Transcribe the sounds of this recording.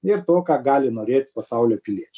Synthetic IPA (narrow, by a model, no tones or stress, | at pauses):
ɪɾt̪oːkɑːɡɑːlʲɪnoːɾʲeːt̪ʲpɐsɑʊlʲoːpʲɪlʲiɛt͡ʃʲ